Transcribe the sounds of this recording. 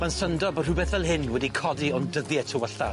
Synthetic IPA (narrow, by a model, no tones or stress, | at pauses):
mansəndɔbər̥ubɛθɛlˠɦɪnwɛdikʰɔdiɔndəðjɛtʰəwəɬa